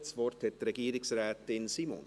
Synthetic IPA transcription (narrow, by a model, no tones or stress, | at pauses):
t̪sʋɔrt̪hɛt̪ɾɛɡiːɾɪksɾɛːt̪ɪnsiːmɔ̰n